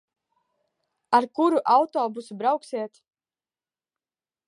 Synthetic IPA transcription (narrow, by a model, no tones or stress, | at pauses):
aɾkuɾuʔawt̪ɔːbusubɾawksiɛt̪